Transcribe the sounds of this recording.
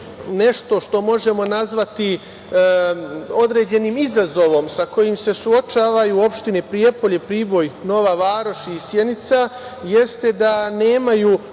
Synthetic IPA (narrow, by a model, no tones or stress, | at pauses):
ne̞ʃt̪o̞ʃt̪o̞mo̞ʒe̞mo̞nazʋat̪i | o̞d̪ɾe̞ːd͡ʑe̞nimizazo̞ʋo̞msako̞jimse̞suo̞t͡ʃaːʋajuo̞pʃt̪inepɾie̞po̞ʎepɾiːbo̞jno̞ʋaʋaːɾo̞ʃisjenit̪sajest̪e̞d̪ane̞ːmaju